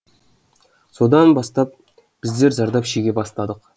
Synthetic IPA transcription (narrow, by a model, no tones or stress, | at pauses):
so̞d̪ɑnbɑst̪ɑp̚ | b̥ɪzd̪e̞ɾʒɑɾd̪ɑpʃeɡʲe̞bɑst̪ɑd̪əq